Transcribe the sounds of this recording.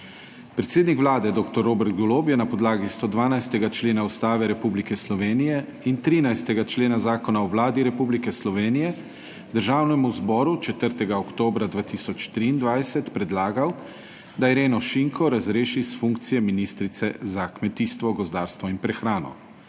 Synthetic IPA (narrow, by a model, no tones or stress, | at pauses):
pɾɛt̪seːd̪nikʋlaːd̪ɛd̪oːkt̪ɔɾːoːbɛɾt̪̚ɡɔloːpjɛnapɔd̪laːɡist̪od̪ʋaːnajst̪ɛɡat͡ʃleːnaust̪aːʋɛɾɛpublikɛslɔʋeːnijɛ | int̪ɾiːnajst̪ɛɡat͡ʃleːnazaːkɔnaɔwlaːd̪iɾɛpublikɛslɔʋeːnijɛ | d̪əɾʒaːwnɛmuzbɔɾut͡ʃɛt̪əɾt̪ɛɡaɔkt̪oːbɾad̪ʋaːt̪isɔt͡ʃt̪ɾiːnd̪ʋajsɛt̪pɾɛd̪laːɡaw | d̪aɛɾeːnɔʃiŋkʰɔɾazɾeːʃisfuŋkt̪sijɛminiːst̪ɾit̪sɛzakmɛt̪iːst̪ʋɔɡɔzd̪aːɾst̪ʋɔinpɾɛxɾaːnɔ̰